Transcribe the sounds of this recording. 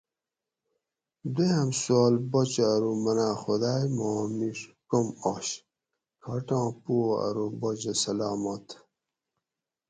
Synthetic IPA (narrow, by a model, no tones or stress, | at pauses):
d̪ejɐmsuaːlbot͡ɕɐːɾumɐnaːxod̪aːjmomiʂkomoɕ | kʰɐʈãːpuoɐ̰ɾubod͡ʑɐsɐlaːmot̪ʰ